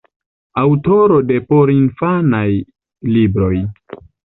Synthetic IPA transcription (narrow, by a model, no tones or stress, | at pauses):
awto̞ɾo̞de̞po̞ɾinfanaj | libɾo̞j